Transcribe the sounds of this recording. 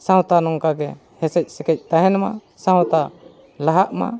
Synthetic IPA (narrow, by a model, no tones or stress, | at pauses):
sãwt̪anɔŋkaɡɛ | hɛsɛc̚sɛkɛc̚ˀt̪aɦɛnma̰ | sãwt̪a | laɦaʔma̰